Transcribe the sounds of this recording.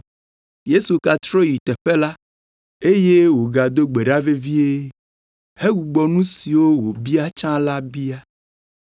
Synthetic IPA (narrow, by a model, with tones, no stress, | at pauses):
je˦su˨ka˨t̪ɾɔ˦ji˨t̪ɛ˨ɸe˦la˦ | e˦je˦wo˨ɡa˨d̪o˦ɡ͡be˨ɖa˦ve˦vi˦e˦ | he˦wu˨ɡ͡bɔ˨nũ˦si˨wo˦wo˨bi˦a˦t͡ʃã˦la˦bi˦a˦